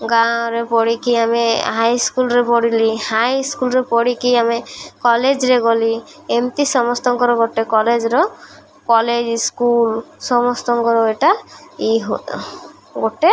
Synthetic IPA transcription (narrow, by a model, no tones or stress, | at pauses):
ɡãwɾepɔɽikiameɦajskulɾepɔɽilihajskulɾepɔɽikiamekɔled͡ʒɾeɡɔli | emt̪isɔmɔst̪ɔŋkɔɾeɡoʈekɔled͡ʒɾɔ | kɔled͡ʒskulsɔmɔst̪ɔŋkɔɾɔeʈaiɦo | ɡoʈe